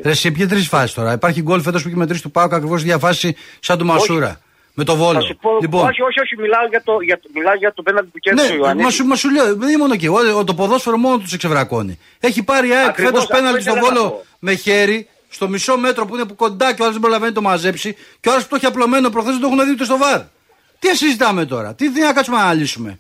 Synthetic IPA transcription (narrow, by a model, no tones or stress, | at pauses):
ɾesipçet̪̬ɾisfɐsist̪o̞ɾɐipɐɾçiɡo̞lfe̞t̪ospueçmet̪ɾist̪upɐokɐkɾivo̞siðʝɐfɐssisɐnd̪omɐsuɾɐ̰ | me̞t̪o̞vo̞loupoliponioçoçimilaoʝɐt̪oʝɐmilɐzʝɐt̪openɐlt̪it̪uceɾnemɐsumɐsuɾʎomo̞noc̬ioot̪o̞po̞ðo̞sfeɾomo̞not̪uskse̞vɾɐko̞̰nḭ | e̞çipɐɾiɐekffe̞t̪ospenɐlt̪ist̪ovo̞lo | me̞çe̞ɾi | st̪o̞miso̞me̞t̪ɾo̞puinepuko̞nd̪ɐceoɐɾɐzðebɾo̞lɐvenit̪o̞mɐze̞psiceoɐɾɐsput̪oçiɐplo̞me̞nop̬ɾoxθezðed̪o̞xunɐðiot̪est̪ovɐɾ | t̪iɐsizit̪ɐme̞t̪o̞̰ɾɐ̰t̪iðinɐkɐt͡sumenɐʎisume̞